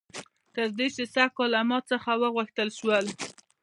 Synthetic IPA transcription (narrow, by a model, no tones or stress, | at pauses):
k̪azd̪et͡ʃesaxkɑlamɑt͡səxawəɣəxt̪əlʃwəl